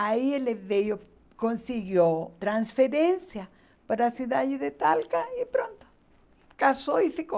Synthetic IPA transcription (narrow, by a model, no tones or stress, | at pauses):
aieleðejo | konsiɣjot̪ɾansfeɾensja | paɾasjuðaʝeðet̪alkaipɾont̪o̥ | kasoifiko